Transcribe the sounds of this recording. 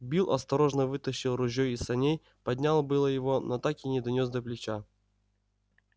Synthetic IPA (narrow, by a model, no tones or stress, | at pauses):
bʲilˠʔɐst̪ɐɾo̞ʐnəvɨt̪əɕːɪlˠrʊʑʲːojɪsɐnʲej | pɐdʲnʲalˠbɨlˠəjɪvonɐt̪akɪnʲɪd̪ɐnʲosd̪ɐplʲɪt͡ɕa